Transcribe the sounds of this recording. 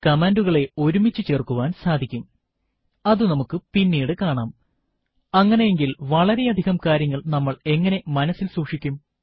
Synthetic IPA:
kɐmaːnduɣɐɭe̞o̞ɾumit͡ɕːɨt͡ɕe̞ːrkuʋaːnsaːd̪ʱikʲːum | ɐðunɐmukːɨpinːiːɽɨkaːɳaːm | ɐŋːɐne̞jeŋɡilʋɐɭɐɾe̞ɐd̪ʱiɣɐmkaːɾjɐŋːɐɭnɐmːɐɭe̞ŋːɐne̞mɐnɐsːilsuːʂikʲːum

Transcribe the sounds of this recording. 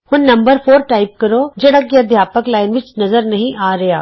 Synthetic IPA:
hʊnːɐ̃mbəɾfʰoːɾʈaːɪp̚kɐɾoːd͡ʒɐɽakiɐd̪ʱjaːpəklaːɪnʋɪt͡ʃnɐzəɾnɐɦĩʔaːɾɐja̰ː

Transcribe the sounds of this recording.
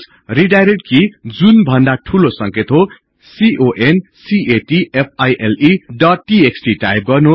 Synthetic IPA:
riɖajɾeʈ̚kid͡zunbʱʌnd̪aʈʰulosʌŋket̪ɦo | siʔoʔensiʔeʈiep̚ʰajʔeliɖʌʈʈieksʈiʈa̰jp̚ɡʌrnu

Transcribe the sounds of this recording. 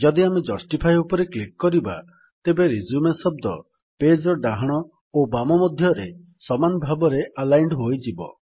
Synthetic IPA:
d͡ʒɔd̪iamed͡ʒɔsʈipʰajupɔɾeklikːɔɾiba̰ | t̪ebeɾid͡ʒumesɔb̚d̪ɔ | ped͡ʒɾɔɖaɦaɽ̃ɔ | obamɔmɔd̪ʱjɔɾe | sɔmanɔbʱabɔɾeʔalajɳɖɦojd͡ʒibɔ̰

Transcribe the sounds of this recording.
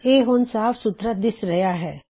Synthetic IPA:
eːɦʊnsaːfsʊt̪ɾəd̪ɪsɾɐjaɦɛː

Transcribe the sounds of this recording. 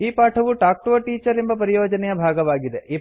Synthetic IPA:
iːpaːʈʰɐʋuʈaːk̚ʈʋɐʈiːt͡ʃɐɾembɐpɐɾijoːd͡ʒɐnɛjɐbʱaːɡɐʋaːɡid̪eʔiː

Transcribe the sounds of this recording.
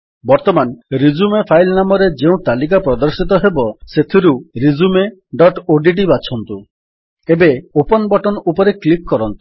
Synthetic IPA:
bɔɾt̪ɔmanɾid͡ʒumepʰajlnamɔɾed͡ʒeũt̪alik̬apɾɔd̪ɔɾsit̪ɔɦebɔset̪ʰiɾuɾid͡ʒumeɖɔʈoɖiɖibat͡ʃʰɔnt̪u | ebeopɔnbɔʈɔnupɔɾeklik̚kɔɾɔnt̪u̥

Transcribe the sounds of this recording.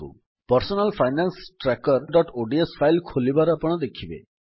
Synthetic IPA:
ṵ | pɔɾsɔnalpʰajnansʈɾakɔɾɖɔʈoɖiesfʰajlkʰolibaɾɔpɔɽ̃ɔd̪ekʰibḛ

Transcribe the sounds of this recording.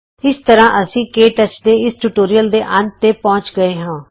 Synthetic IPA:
ɪst̪əɾãːʔəsĩːkeːʈət͡ʃd̪eːɪsʈuʈoːɾijəld̪eːʔənt̪ːeːpɔ̃ːt͡ʃɡəeːɦãː

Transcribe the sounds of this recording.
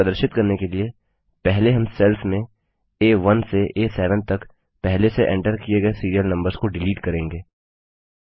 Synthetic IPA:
ɐd̪əɾʃɪt̪̚kɐɾnekelie | pɛɦleɦɐ̃msɛlfmẽ | eːʋɐnseʔeːsɛːʋə̃n̚t̪ɐk | pɛɦleseʔɛ̰̃ɳʈəɾkijeɡɐesiːɾijəlnɐ̃mbəɾz̥koɖɪliːʈkɐɾẽːŋɡeː

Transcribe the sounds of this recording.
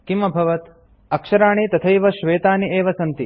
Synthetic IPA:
kimɐbʱɐʋɐt̪ | ɐkʃɐɾaːɳ̃it̪ɐt̪ʰɐjʋɐʃʋeːt̪aːniʔeːʋɐsɐnt̪i

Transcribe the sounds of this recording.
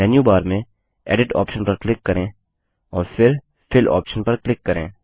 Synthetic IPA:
ɛːnjubaːɾmẽ | ɛ̰ːɖɪʈɔ̰ːpʃənpɐɾklɪkːɐɾẽː | ɔːɾfʰɪɾ | pʰɪlɔ̰ːpʃənpɐɾklɪkːɐɾḛ̃ː

